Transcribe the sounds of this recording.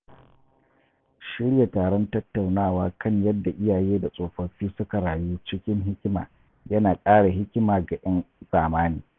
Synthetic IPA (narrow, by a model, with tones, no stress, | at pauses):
ʃɪ˦ɽja˨taː˨ɽɔ˦ntɐ˦tːa˨wnaː˦˨waː˦kɐ˦˨ɲjɐ˦dːa˨ʔɪ˦jaː˨jeː˦da˨sʼoː˨ɸɐ˨ɸiː˦sʊ˦ka˨ɽaː˨juː˦t͡ʃɪ˦kʲɪ˦ŋɦɪ˦kʲma̰ː˨ | jɐ˦naː˨kʼaː˦ɽa˨ɦɪ˦kʲɪ˦maː˨ɡa˨ʔɐ˦nsʼaː˨maː˦niː˨